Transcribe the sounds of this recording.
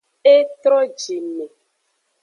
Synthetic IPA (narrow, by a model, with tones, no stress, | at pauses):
e˦t̪ɾɔ˦d͡ʒi˨me˨